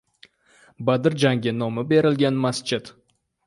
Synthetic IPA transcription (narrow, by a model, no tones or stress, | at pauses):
bad̪ɪɾd͡ʒaŋɡʲɪnɒmɪbe̞ɾɪlɡʲanmast͡ʃʰɪd̪